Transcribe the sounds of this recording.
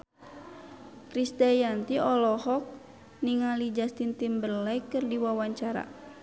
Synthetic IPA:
kɾist̪ɛjant̪iɔlɔhɔk̚ | niŋalid͡ʒast̪int̪imbərlɛkɨrdiwawaɲt͡ʃaɾa̰

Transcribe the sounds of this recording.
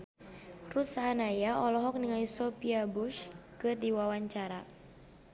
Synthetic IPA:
rut̪saɦanajaɔlɔɦɔk̚niŋaisɔpiabuʃkɨrdiwawaɲt͡ʃaɾa

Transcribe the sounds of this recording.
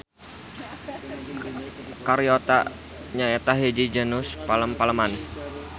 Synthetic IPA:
kaɾiot̪a̰ | ɲaɛt̪aɦed͡ʒid͡ʒənuspaləmpaləman

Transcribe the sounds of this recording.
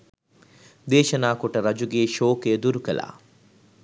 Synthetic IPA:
d̪eːʃɐnaːkoʈəɾɐd͡ʒuɡeːʃoːkeːd̪uɾukɐla̰ː

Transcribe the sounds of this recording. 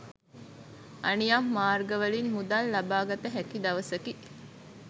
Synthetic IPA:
ʔɐnijamːaːrɡɐʋɐlinɦud̪alːɐbaːɡɐt̪əɦɛkid̪ɐʋɐsɐki

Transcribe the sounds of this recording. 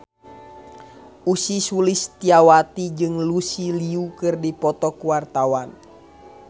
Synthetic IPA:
usisulist̪iawat̪id͡ʒɨŋlusiliukɨrdipɔt̪ɔkuwart̪awan

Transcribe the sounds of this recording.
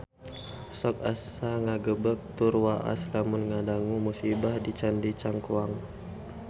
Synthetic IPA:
sɔk̚as | aŋaɡəbək̚t̪urwaʔa̰slamunŋadaŋumusibahdit͡ʃandit͡ʃaŋkuaŋ

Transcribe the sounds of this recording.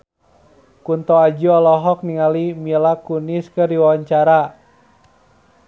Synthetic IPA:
kunt̪ɔad͡ʒuɔlɔɦɔk̚niŋalimilakuniskərdiwawaɲt͡ʃaɾa

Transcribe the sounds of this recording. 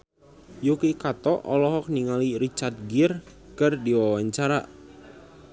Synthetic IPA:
jukikat̪ɔʔɔlɔɦɔk̚niŋalirit͡ʃart̪̚ɡir | kɨrdiwawaɲt͡ʃaɾa

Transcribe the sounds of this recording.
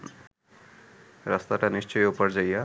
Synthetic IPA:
rʌst̪aʈanist͡ʃʌjopʌɾd͡zʌja

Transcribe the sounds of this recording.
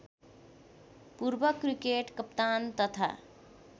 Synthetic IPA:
puɾbəkɾikeʈkəpt̪ant̪ʌt̪ʰa̰

